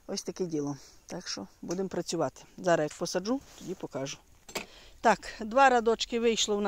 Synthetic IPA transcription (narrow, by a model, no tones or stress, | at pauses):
ɔsʲt̪ɐkɛdʲilˠɔmt̪ɑkʃt͡ʃɔbud̪ɪmpɾɐt͡sʲʊʋɑt̪ɪ̥zɑɾɐjɐk̚pɔsɐd͡ʒut̪ɔdʲipɔkɑʒʊ | t̪ɑkd̪ʋɑɾɐd̪ɔt͡ʃkɪʋɪjʃlˠɔwn